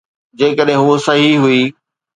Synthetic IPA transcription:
d͡ʑeːkəɗɦɪ̃ɦusɐɦiɦuiː

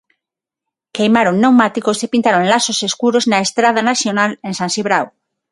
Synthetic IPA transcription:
kejmaɾoŋnewmat̪ikosepint̪aɾoŋlasoseskuɾoznaest̪ɾað̞anaθjonalensãnsiβɾaw

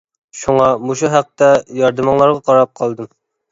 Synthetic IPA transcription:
ʃuŋɑmoʃuɦæq̚t̪ɛjɑɾd̪ɨmɑŋlˠɑɾʁɑqʰɑɾɑp̚qʰɑlˠd̪ɨm

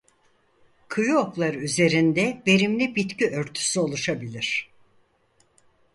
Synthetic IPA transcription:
kʰɯjuoklˠaɾɯyze̞ɾind̪ɛve̞ɾimlʲibit̪ciʔø̞ɾt̪ʰy̥syo̞lˠuʃabilʲiɾ̥

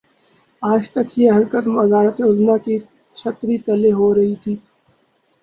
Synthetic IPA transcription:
aːd͡ʒt̪ɐkjeɦɐɾkəd̪mɐd̪aːɾət̪eʊlnake | t͡ʃʰɐt̪ɾit̪ɐleɦoɾɐɦit̪ʰiː

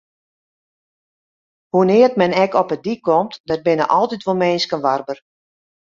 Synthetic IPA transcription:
hunɪːərtmɛnɛkɔpədikɔmtdət̚bɪnə̰ʔɔlˠtitʋolˠmɛːnskənʋarbər

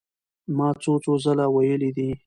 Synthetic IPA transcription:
mɑːt͡sot͡sozalawajəlid̪i

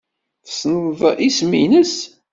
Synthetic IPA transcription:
θsnəwðˤismḭnəs

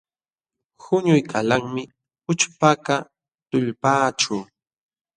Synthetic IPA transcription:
xʊɲʊjkʰalaŋmɪ | ʊt͡ʃpaka | t̪ʊʎpaːʈ͡ʂʊː

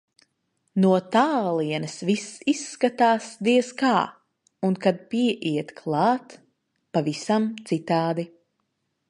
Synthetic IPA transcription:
nuɔt̪aːlˠiɛnɨsvisisːkat̪aːsd̪iɛskaː | unkad̪̚piɛʔiɛt̪kʰlˠɑːt̪ | pavisamt̪sit̪aːd̪i

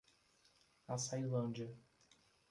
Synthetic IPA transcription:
asajlɐ̃nd͡ʒɐ

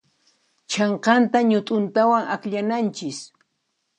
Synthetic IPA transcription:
t͡ʃɑɴqɑnt̪aɲʊt̪ʼʊnt̪awaŋakʎanant͡ʃɪs

